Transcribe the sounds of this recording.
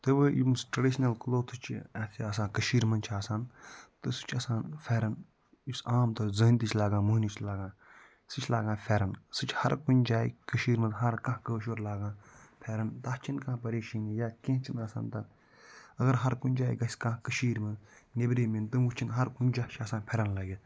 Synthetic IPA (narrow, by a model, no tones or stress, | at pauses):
t̪ɨbɨḭmsʈɾɐɖiʃnɐlkloːt̪ʰɨt͡ʃʰḭaːt̪ʰiɐs̬ãːkəʃiːɾmɐnt͡ʃʰaːsaːnt̪ɨsɨ̥t͡ʃʰɐsãːnfʰʲɛːɾɐn | isaːmt̪ɐzɐːnʲt̪it͡ʃʰʲlaːɡãːmuɦnit͡ʃʰlaːɡãː | sɨt͡ʃʰlaːɡãːfʰʲɛɾɐnsɨt͡ʃʰhɐɾkunʲd͡ʒaːḭkəʃiːɾmɐd̪ɦɐɾkãɦkəːʃ̬oːɾlaːɡãːpʰɛːɾɐnt̪aht͡ʃʰinkãːpɐɾeːʃinjaːkẽt͡ʃʰinɐsa̰ːnt̪ɐ | ɐɣɐɾɦɐɾkunʲd͡ʒaːiɡɐsʲkãkəʃiːɾmɐd̪nebɾiːmint̪ɨmut͡ʃʰinɦɐɾkunʲd͡ʒaːt͡ʃʰɐːsãːnpʰɛɾɐnlɐːɡʲi